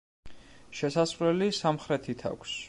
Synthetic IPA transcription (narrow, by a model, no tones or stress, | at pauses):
ʃɛsaslɛlisamχɾɛt̪ʰit̪ʰa̰kʷʰs